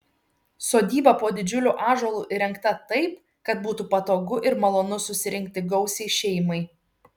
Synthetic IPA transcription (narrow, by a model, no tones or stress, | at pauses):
soːd̪ʲiːbɐpoːd̪ʲɪd͡ʒʲʊlʲuːʔɑːʒɔlˠuːʔɪɾʲɛŋkt̪ɐt̪ɐɪp | kɐt̪buːt̪uːpɐt̪oːɡʊʔɪɾmɐlˠoːnʊsʊsʲɪɾʲɪŋʲk̚t̪ʲɪɡɒʊsʲɛɪʃʲɛɪmɐɪ